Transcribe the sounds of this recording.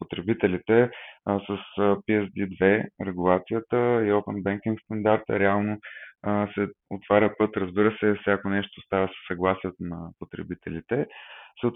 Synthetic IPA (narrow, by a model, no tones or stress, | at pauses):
pot̪ɾɛbit̪ɛlit̪ɛsəsəpiɛzd̪id̪vɛɾɛɡulˠat̪sijət̪əiowpɛnbɛŋkiŋkst̪ɐnd̪aɾt̪ə̰ɾɛalˠno | sɛoʊt̪vaɾʲəpɤt̪ɾəzbiɾəsɛfsʲjakonɛʃt̪ost̪avəsə̥sɐɡlˠasijɛt̪onɐpot̪ɾɛ̰bit̪ɛ̰lit̪ɛsət̪